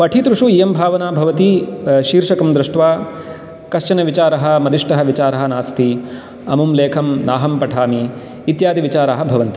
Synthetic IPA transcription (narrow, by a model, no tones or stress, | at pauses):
ʋɐʈʰit̪ɾuʂuijɐmbʱaːʋɐnaːbʱɐʋɐt̪iʃiːɾʃɐkɐmd̪ɾɪʂʈʋaː | kɐʃt͡ʃɐnɐʋit͡ʃaːɾɐɦɐ̆mɐd̪iʂʈɐɦɐʋit͡ʃaːɾɐɦɐ̆naːst̪ʰi | ɐmumleːkʰɐmnaːɦɐmpɐʈʰaːmiː | t̪jaːd̪iʋit͡ʃaːɾaːɦɐ̆bʱɐʋɐnt̪i